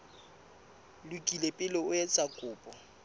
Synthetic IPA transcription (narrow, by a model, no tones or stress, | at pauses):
lukʼilepʼɪlɪʊɛt͡sʼakʼʊːpʼɔ